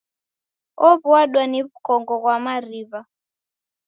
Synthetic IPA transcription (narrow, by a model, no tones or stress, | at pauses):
ɔβuaɗwaniβukɔŋɡɔɣwamariβa